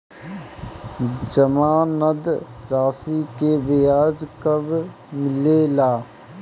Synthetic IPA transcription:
d͡ʒəmaːnəd̪ɾaːsikebejaːd͡ʒkəb | mɪlelaː

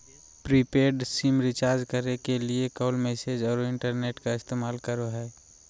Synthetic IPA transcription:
pɾipeːɾɖsimɾɪt͡ʃaːɾd͡ʒkəɾnekeliekoːlmɛːsed͡ʒɔːɾɪ̃ɳʈəɾneːʈkaɪst̪eːmaːlkəɾoɦɛː

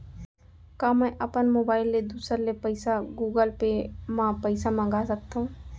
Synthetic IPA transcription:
kaməʔəpənmoːbaːɪlːed̪uːsəɾlepəɪsaɡuːɡəlpemãpəɪsamãɡasək̚t̪aɦũ

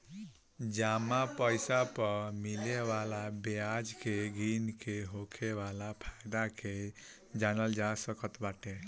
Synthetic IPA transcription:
d͡ʒamapəjsapʌmilewalabead͡ʒkeɡinkʰeɦokʰebalapʰajd̪akʰe | d͡ʒanʌld͡ʒasʌkʌt̪baʈe

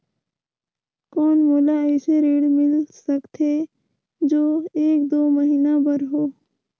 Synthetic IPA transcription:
kɔːnmoːlaɛːseɾeːɽmɪlsəkt̪ʰe | d͡ʒoːeːk̚d̪oːməɦiːnabəɾɦoː

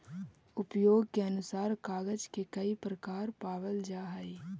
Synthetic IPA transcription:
ʊpjoːɡ̚keɐnʊsaːɾkaːɡəd͡ʒkekɐipɾəkaːɾpaːʋəld͡ʒaːɦai

